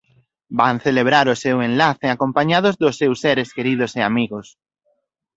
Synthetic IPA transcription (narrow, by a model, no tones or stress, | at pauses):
banθeleβ̞ɾaɾʊsewenlaθeakompaɲað̞ozðʊsːewsːeɾeskeɾið̞ʊseamiɣos